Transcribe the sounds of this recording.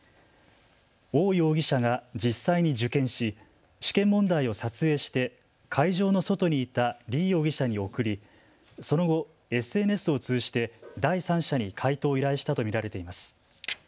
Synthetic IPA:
o̞ːio̞ːɡʲiɕaɡad͡ʑisːaiɲ̟id͡ʑɨkẽ̞ɰ̃ɕi | ɕi̥kẽ̞mːõ̞nd̪aio̞sat͡sɨe̞ːɕi̥t̪e̞ | kʰaiʑo̞ːno̞so̞t̪o̞ɲ̟iːt̪aɾʲiːo̞ːɡʲiɕaɲ̟io̞kɯ̟ɾʲi | so̞no̞ɡo̞ | e̞sɨe̞ːne̞sɨo̞t͡sɨːʑi̥t̪e̞d̪aisãɰ̃ɕaɲ̟ikʰait̪o̞ːiɾaiɕi̥t̪at̪o̞mʲiɾaɾe̞t̪e̞imasɨ̥

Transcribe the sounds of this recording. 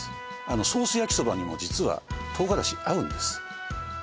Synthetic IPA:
ano̞so̞ːsɨjakʲi̥so̞baɲ̟imo̞d͡ʑit͡sɨβa̰t̪ʰo̞ːɡaɾaɕiaɯ̟̃nd̪e̞sɨ̥

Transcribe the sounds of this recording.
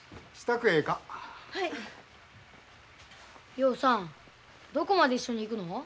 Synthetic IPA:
si̥t̪akɯ̟e̞ːkahai | jo̞ːsãŋ | d̪o̞ko̞mad̪e̞iɕːo̞ɲ̟iːkɯ̟no̞

